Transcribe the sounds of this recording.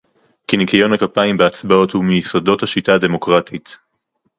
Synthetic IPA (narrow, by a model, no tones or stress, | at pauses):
kinikajo̞nhakapaimbeat͡sbao̞thumejisodo̞thaʃitaːde̞mo̞kʁatʰit